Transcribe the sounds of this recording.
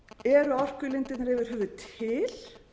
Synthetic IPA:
ɛɾʏɔr̥kʏlɪnt̪ɪnɾɛvɪɾ̥ɦœːvʏt̪ʰɪl̥

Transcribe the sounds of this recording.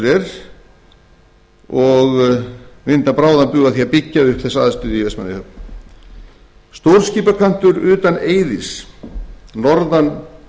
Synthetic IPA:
ɾɛɾ̥ | ɔɣ | vɪnt̪apɾaːwðapʏɣaθiapicːaʏhkθɛsːa̰ðast̪ʏðɪivɛsma̰nɪhœp̚n | st̪owɾ̥sciːpakʰan̥t̪ʏɾʏːt̪aneːjðɪs | nɔɾðan

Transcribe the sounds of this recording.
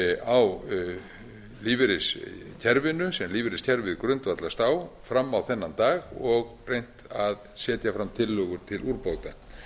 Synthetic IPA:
aw | liːvɪɾɪscʰɛɾvɪnʏsɛmliːvɪɾɪscʰɛɾvɪðkɾʏnt̪vat̪last̪aːwfɾamːawθɛnːant̪aːɣɔɣrejn̥t̪aðsɛːt̪jafɾamt̪ʰɪlːœɣʏɾ̥t̪ʰɪluɾpoːwt̪a

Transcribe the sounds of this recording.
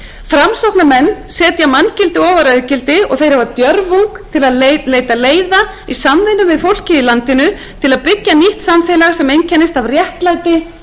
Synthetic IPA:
fɾamsɔpnamɛnːsɛːt̪jamanːcɪlt̪ɪɔːvaɾœðʏcɪlt̪ɪɔ̰ɣθejɾhavat̪jœɾvuŋkt̪ʰɪlaðeleːjt̪aleːjða | isamvɪnʏvɪðfowl̥cɪilant̪ɪnʏ | t̪ʰɪlaðpɪcːaniht̪samfɛːlaɣasɛmejncʰɛnːɪst̪avrjɛhk̪lajt̪ɪ

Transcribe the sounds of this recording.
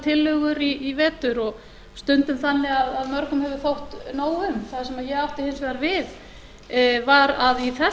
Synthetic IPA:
t̪ʰɪlːʏɣʏɾiːvɛːt̪ʏɾɔɣ | st̪ʏnt̪ʏmθanːɪaðaðmœɾkʏmhɛvʏθowht̪noːwʏmθaðsɛmaðjɛɣawht̪ɪhɪnsvɛðaɾvɪð | vaɾaðiθɛ

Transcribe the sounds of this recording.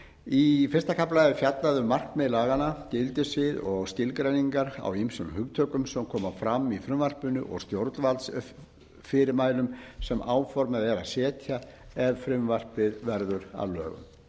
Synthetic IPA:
ifɪrst̪akʰaplaɪfjat̪naðʏmːar̥kmɛðlaːɣanacɪlt̪ɪsvɪðɔɣscɪlkɾajniŋkaɾa̰wimsʏnhʏɣt̪ʰœːkʏmsɛmkʰɔːmafɾamːifɾʏmvar̥pʏnʏʔɔ̰ɣst̪jowɾt̪lvalt̪s | fɪɾɪɾmaːjlʏmsɛmaːwfɔɾmɛðvɛːɾasɛːt̪ʰja | ɛvfɾʏmvar̥pɪðvɛɾðʏɾa̰ðlœ̰ːɣʏ̰m

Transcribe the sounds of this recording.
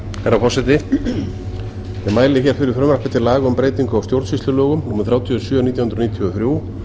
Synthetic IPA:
kɛɾafɔsɛt̪ɪ | jɛmaːjlɪçɛɾ̥fɪɾɪɾ̥fɾœmrahpɪt̪ʰɪlaːɣaʏmpɾeːjt̪iŋkʏawst̪jowɾt̪sfist̪lʏlɔːɣʏmnuːmɪnθɾjawt̪ʰjisjœːaniːt̪jahʏnɾniːt̪ʰiɔθɾjuːw

